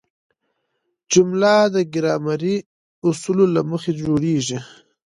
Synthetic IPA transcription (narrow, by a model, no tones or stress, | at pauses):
d͡ʒʊmlad̪əɡɪɾɑmaɾi | ʊsulolaməxed͡ʒoɽeʒi